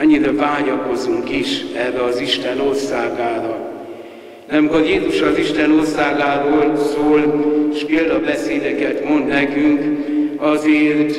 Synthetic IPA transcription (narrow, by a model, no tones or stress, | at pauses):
ɛɲːiɾɛvaːɲɒko̞zuŋkiʃɛrːɛɒziʃt̪ɛno̞rsaːɡaːɾɒ | nɛmkɒjeːzuʃɒziʃt̪ɛno̞rsaːɡaːɾoːlsoːleʃkeːld̪ɒbɛseːd̪ɛkɛt̪mo̞nd̪nɛkyŋk | ɒzeːrt̪